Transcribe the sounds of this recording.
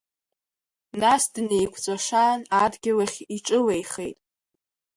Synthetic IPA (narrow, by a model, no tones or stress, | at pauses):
nasdnejkʷʰt͡sʷʼaʂaːnadɡʲɪlaχʲiʈ͡ʂʼɨlejχejtʼ